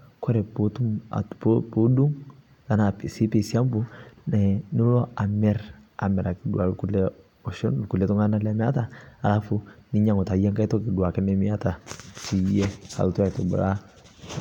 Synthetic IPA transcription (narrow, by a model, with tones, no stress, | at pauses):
kʰɔ˦ɾɛ˨po˦tu˦ma̰˨ppo˦du˦ŋ | a˨na˨psi˦pe˨si˦a˦mbu˦nɛ˨nɪ˦lɔ˦a˨mɛ˦ɾa̰˨mɛ˨ɾa˨kɪ˨du˨a˨ku˦lɛ˦ | ɔ˨ʃɔ˦nlku˨lɛ˨tɔ˦ŋa˦na˦lɛ˦mɛ˦a˦ta˨a˨la˦fu˦nɪ˦ɲa˦ŋɔ˨ta˨jɛ˦ŋka˦jtɔ˦kɪ˨du˨a˨kɛ˦nɛ˦mi˦a˦ta˨si˨jɛ˦a̰˨lu˦tu˦a˨jtɔ˨bṵ˨ɾa˦